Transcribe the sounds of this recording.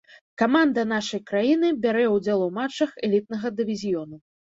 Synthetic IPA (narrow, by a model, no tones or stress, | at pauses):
kamand̪ɐn̪aʂɐjkɾajinɨbʲaɾɛwd͡zʲɛlˠɐwmat͡ʂːɐxɛlʲit̪̚nɐɣɐd̪ɨvʲizʲijɔnu